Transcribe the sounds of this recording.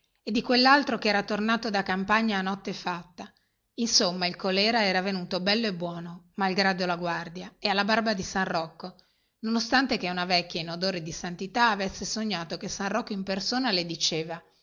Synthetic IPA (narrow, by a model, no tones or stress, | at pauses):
ed̪ːikwelːalt̪ɾokɛːɾat̪ornaːt̪od̪akampaɲːaːnːɔt̪ːefat̪ːa | insomːailkolɛːɾaɛːɾavenuːt̪obɛlːoebːwɔːnomalɡɾad̪olaɡward̪jaealːabarbad̪isanrɔkːo | nonost̪ant̪ekeunavɛkːjainod̪oːɾed̪isant̪it̪aːvesːesoɲːaːt̪okesanrɔkːoimpersoːnaled̪it͡ʃeːva